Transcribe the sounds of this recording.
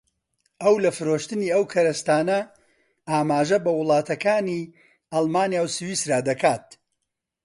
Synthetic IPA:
ʔɐwlɐfɨɾoːʃt̪ɨniːɐwkʰɐɾɐst̪aːnɐ | aːmaːʒɐbɐwʊlˠɑːt̪ɐkaːni | ɐlˠmaːnjaːwsɨwiːsɾaːd̪ɐkaːt̪̚

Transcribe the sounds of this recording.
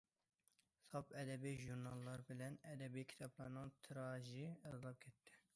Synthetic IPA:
sɑpɛd̪ɛbeʒuɾnɑlːɑɾbɨlɛnɛd̪ɛbekʰi̥t̪ʰɑplɑnɑ̃ːt̪ʰɨɾɑːʒiɛzlˠɑːb̚kʰɛt̪ːɛ̥

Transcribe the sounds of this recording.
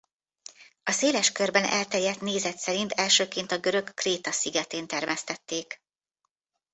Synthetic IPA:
ɒseːlɛʃkø̞rbɛnʔɛ̰lt̪ɛjːɛt̪neːzɛt̪sɛɾint̪ɛlʃøːkeːnt̪ɒɡøɾø̞kːreːt̪ɒsiɡɛt̪eːnt̪ɛrmɛst̪ɛt̪ːeːk

